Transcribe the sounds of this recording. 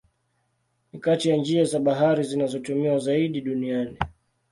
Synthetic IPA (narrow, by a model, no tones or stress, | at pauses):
nikatijand͡ʒiazaɓaɦaɾizinazɔtumiwazaiɗiɗuniani